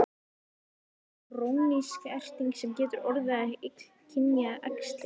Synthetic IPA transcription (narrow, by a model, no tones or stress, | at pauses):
rowniskɛr̥t̪iŋksɛmcɛːt̪ʏɾɔɾðɪaɛek̪ | cʰɪnjaʔɛkst̪lɪ